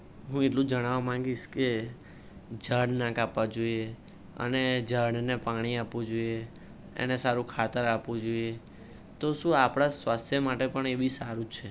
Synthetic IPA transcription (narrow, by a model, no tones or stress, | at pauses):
ɦũeʈlũd͡ʒəɽ̃aʋamãŋ̆ɡiʃke | d͡ʒəɽnakapʋad͡ʒoie | ə̰ned͡ʒəɽnepaɽ̃iapʋũd͡ʒoie | ḛnesaɾũkʰat̪əɾapʋũd͡ʒoie | t̪oʃũapɽ̃asʋast̪ʰjəmaʈepəɳeʋisaɾũt͡ʃʰe